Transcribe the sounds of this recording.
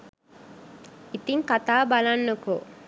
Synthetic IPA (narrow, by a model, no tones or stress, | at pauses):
it̪iŋkɐt̪aːbɐlɐnːuko